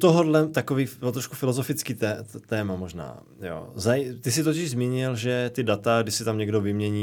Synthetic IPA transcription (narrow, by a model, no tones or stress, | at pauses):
t̪oɦodlɛt̪akoviːt̪ɾoʃkufɪlozofɪt͡skiːt̪ɛt̪ɛːmamo̞ʒna̰ː | jo̰ːzajt̪ɪs̬ɪt̪ocɪʒzmiːɲɪlʒɛt̪ɪdat̪aɡdɪʃsɪt̪amɲɛɡdo̞vɪmɲɛɲiː